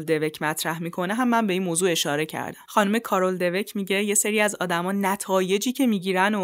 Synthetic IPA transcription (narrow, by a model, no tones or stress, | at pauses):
ld̪e̞ve̞cʰmæt̪ʰɾæhmiːkʰo̞neɦæmːænmbe̞iːnmoːzuːe̞ʃɒːɾe̞cʰæ̰ɾd̪æmxɒːnume̞kʰɒːɾold̪e̞ve̞cʰmiɟe̞je̞seɾiːæzɒ̰ːd̪æmɒːnæt̪ʰɒːje̞d͡ʒiːcʰe̞miːɟiːɾæno